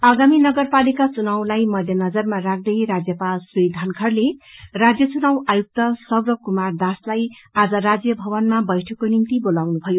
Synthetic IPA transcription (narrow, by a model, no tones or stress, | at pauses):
ʌɡaminʌɡʌrpalikat͡sunawlajmʌd̪ʱjʌnʌd͡zʌrmarakʰd̪ʌjrad͡zjʌpalsriid̪ʱankʰʌrlerad͡zjʌt͡sunawajuk̚t̪ʌsʌbrʌkumard̪aslajad͡zʌɾad͡zjʌbʱʌβʌnmabʌjʈʰʌkːonimt̪ibolawnubʱʌjo